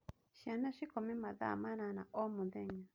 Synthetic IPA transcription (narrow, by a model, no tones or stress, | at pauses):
ʃianãʃikomĩmãða̰manãnãʔomũðɛɲã